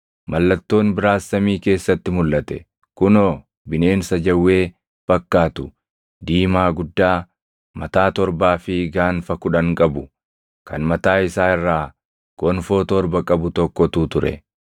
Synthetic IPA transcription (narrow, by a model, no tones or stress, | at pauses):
mɐlːɐt̪ːo̞ːnbɪɾaːsːɐmiːke̞ːsːɐt̪ːɪmʊlʔɐt̪ɛ | kʊnɔ | bɪne̞ːnsɐd͡ʒɐwːe̞ː | b̥ɐkːaːt̪ʊ | d̪iːmaːɡʊd̪ːaː | mɐt̪aːt̪ɔɾbaːfɪɡaːnfɐkʊᶑɐŋkʼɐbʊ | kʰɐnmɐt̪aːɪsaːɪrːaː | kɔnfoːt̪ɔɾbɐkʼɐbʊt̪ɔkːɔt̪uːt̪ʊɾɛ̰